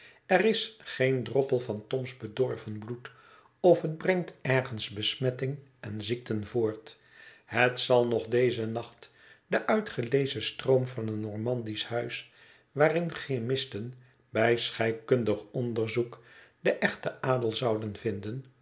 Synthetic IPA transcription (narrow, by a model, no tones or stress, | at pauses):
ɛrɪsχejndrɔpəlˠvɑntɔmzbədɔɹvənblut | ɔfɦəd̚brɛŋtɛɹχənzbəsmɛtɪŋɛnzik̚tənvoːɹt | hətsɑlˠnɔχdejzənɑχt | dəʔœɥtχəlejzəstroʊmvɑnətnːɔɹmɑndishœɥs | ʋaːrɪnχemɪstən | bɛjsχɛjp̚kɵndəχɔndəɹzukdəʔɛχtəʔaːdəlˠzɑwdənvɪndən